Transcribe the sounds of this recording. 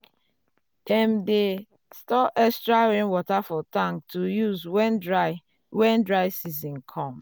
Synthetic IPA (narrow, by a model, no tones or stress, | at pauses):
tɛmde | stɔʔɛstɹawĩnwɔtafɔtãŋk̚tujuzwɛnɹ | wɛ̃ndɹaɪsizĩnkʰɔ̃m